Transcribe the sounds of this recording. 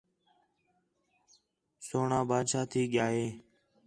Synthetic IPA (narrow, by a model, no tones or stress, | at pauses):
soːɳãːbaːd̪ʃaːt̪ʰiːɠɪjaːɦeː